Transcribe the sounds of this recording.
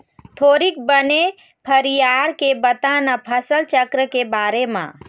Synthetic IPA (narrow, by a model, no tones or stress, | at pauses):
t̪ʰoːɾik̚bəne | pʰəɾijaːɾkebət̪ãnapʰəsəlt͡ʃəkɾəkebaːɾemã̰